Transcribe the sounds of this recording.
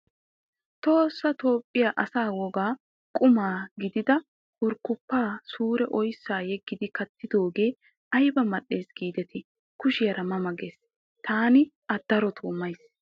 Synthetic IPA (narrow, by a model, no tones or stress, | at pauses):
t̪o̞ːsːɐt̪o̞ːpʼːɪjaːʔɐsaːwɔɡaː | kʼʊmaːɡɪd̪ɪd̪ɐ | wʊɾkːʊpːaːsuːɾɛʔɔjsːaːjɛɡːɪd̪ɪkɐt̪ʰːɪd̪o̞ːɡe̞ː | ʔɐjbɐmɐɗːe̞ːsɡ̥iːd̪ɛt̪ʰɪ | kʊʃɪjɐɾɐmɐmɐɡeːs | t̪ʰaːnɪ | ɐd̪̥ɐɾɔt̪ʰoːmːɐjs